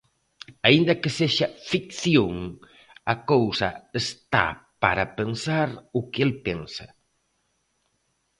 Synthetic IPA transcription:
aind̪ɐkeseʃafikθjoŋ | ɐkowsɐ̰est̪a̰pa̰ɾapensaɾʊkelpensɐ

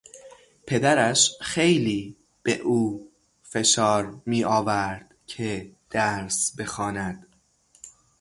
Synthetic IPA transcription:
pʰe̞d̪æɾæʃxe̞jliː | b̥e̞ʔuː | fe̞ʃɒːɾmiːʔɒːvæɾd̪̥cʰed̪̥æɾsbe̞xɒːnæd̪̥

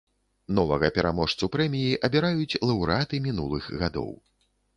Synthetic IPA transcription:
nɔvɐɣɐpʲɛɾamɔʂt̪supɾɛmʲijiʔɐbʲɛɾajut͡sʲlˠɐwɾɨat̪ɨmʲinulˠɨxɣad̪ɔ̰w

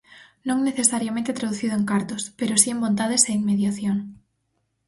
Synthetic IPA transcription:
nõŋneθesaɾjamẽnt̪et̪ɾaðuθiðoeŋkaɾt̪ospeɾosiembont̪aðeseiŋmeðjaθjoŋ

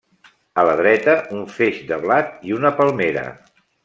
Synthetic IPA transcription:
ələð̞ɾɛt̪əuɱfeʃd̪əβlat̪iunəpəlˠmeɾə̰

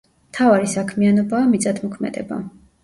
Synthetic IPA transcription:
mt̪ʰavaɾisakʰmianɔbaːmit̪sʼad̪ʰmɔkʰmɛ̰d̪ɛ̰ba̰

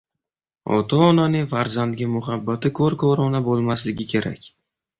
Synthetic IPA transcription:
ɒ̰t̪ʰaːnanɪŋfaɾzand̪ɡʲamʊɦabːat̪ɪkʰoɾkʰɒɾɒnabolˠmaslɪɡʲɪkʲʰe̞ɾa̰kʲ

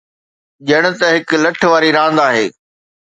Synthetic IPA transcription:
ʄɐɽ̃ʊ̆t̪ɐɦɪklɐʈʰʋaːɾiɾãːnd̪aːɦeː

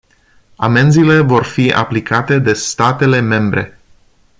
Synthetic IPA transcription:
ame̞nzile̞vo̞rfia̰plikʰat̪e̞d̪e̞st̪at̪e̞le̞me̞mbɾe̞̰

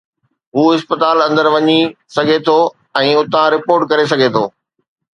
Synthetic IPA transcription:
ɦuːɪspət̪aːlɐ̃nd̪əɾʋɐɲisɐɡʱet̪ʰo | ɛ̃ːʊt̪ãɾɪpoːɾʈ̚kɐɾes̬ɐɡʱet̪ʰoː

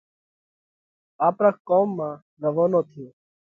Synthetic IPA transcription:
aːpɾaːkoːmːãː | ɾəʋoːnoːt̪ʰiː

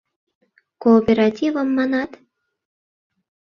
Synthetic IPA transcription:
koːpʲeɾɑt̪ʲivəmːɑnɑt̪

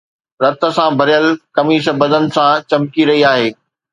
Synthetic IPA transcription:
ɾɐt̪ə̆sãbʱɐɾɪjəlkɐmiːʃəbɐd̪ʱənɪ̆sãt͡ɕɐmkiɾɐɦiaːɦeː

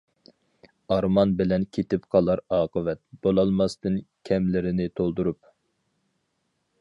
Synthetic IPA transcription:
ɑɾmɑnbɪlɛnkʲʰet̪ɪpqʰɑlˠɑɾɑːqəvɛt̪̚b̥olˠɑlˠmɑst̪ɨnkʲʰɛmlɪɾɪnɪt̪ʰolˠd̪uɾup

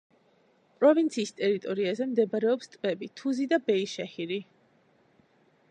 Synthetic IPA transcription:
pʼɾɔvint̪sʰiːst̪ʼɛɾit̪ʼɔɾiazɛmd̪ɛbaɾɛɔpst̪ʼvɛbit̪ʰuzid̪abɛiʃɛhiɾi

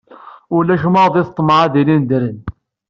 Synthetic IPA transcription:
ʊlːæʃmɑʁðˤiθt̪ˤːmʕaðilind̪ɾən

